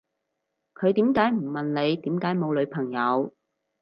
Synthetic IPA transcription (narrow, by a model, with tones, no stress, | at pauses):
kʰɵ˨˧ɥt̪iː˨˥mkaː˨˥jm̩˨˩mɐ˨nle˨˧jt̪iː˨˥mkaː˨˥jmo˨˧wlɵ˨˧ɥpʰɐ˨˩ŋjɐ˨˧w